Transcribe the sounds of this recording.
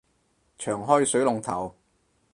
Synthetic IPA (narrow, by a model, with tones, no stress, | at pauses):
t͡ʃʰœː˨˩ŋɦɔː˥jsɵ˨˥ɥlʊ˨ŋt̪ʰɐ˨˩w